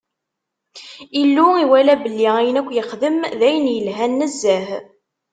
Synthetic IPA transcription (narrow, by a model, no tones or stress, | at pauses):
ilːuiwælæbəlːiæjənækʷːjəχðəmðæjənjəlɦænːəzːæh